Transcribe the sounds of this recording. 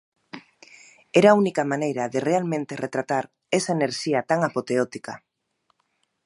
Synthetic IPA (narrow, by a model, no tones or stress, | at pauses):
eɾaunikamanejɾɐðerealmẽnt̪eret̪ɾat̪aɾ | esaeneɾʃiat̪aŋapot̪eot̪ika